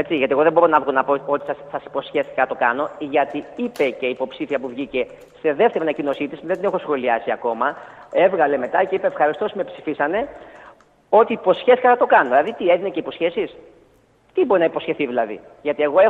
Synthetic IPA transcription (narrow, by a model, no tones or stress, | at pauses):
et͡siʝɐt̪ie̞ɣoðebo̞ɾonɐvɣonɐpo̞o̞t̪issɐsi̥po̞sçe̞fθikɐɐt̪o̞kɐno̞ʝɐt̪iipe̞ce̞iːpo̞psiθiɐpuvʝice̞ | se̞ðe̞ft̪eɾiɐnɐcino̞sit̪isuðet̪inexo̞sxo̞liɐsiɐko̞mɐe̞vɣɐle̞me̞t̪ɐce̞ipeefxɐɾist̪osme̞psi̥fisɐne̞ | o̞t̪iːpo̞sçeθi̥kɐnɐt̪o̞kɐnoðilɐðit̪ie̞ðinece̞ipo̞sçe̞sis | t̪ibo̞ɾinɐipo̞sçe̞θiðilɐðḭ | ʝɐt̪ie̞ɣoe